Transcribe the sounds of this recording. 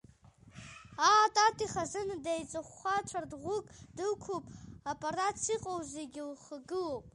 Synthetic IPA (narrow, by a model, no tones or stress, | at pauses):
atʼatʼiχazɨndajt͡sʼɨχʷːat͡ʃʷʰardʁʷʊkʼd̥ɨlkʷʰupʼapʼʰarat͡sʰiqʼowzeɡʲɪlχɡɨlopʼ